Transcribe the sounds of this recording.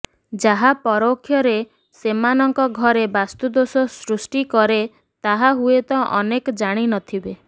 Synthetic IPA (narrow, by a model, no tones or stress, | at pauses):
d͡ʒaɦapɔɾokʰːjɔɾe | semanɔŋkɔɡʱɔɾebast̪ud̪osɔsɾusʈikɔɾe | t̪aɦaɦuet̪ɔʔɔnekɔd͡ʒaɽ̃inɔt̪ʰibe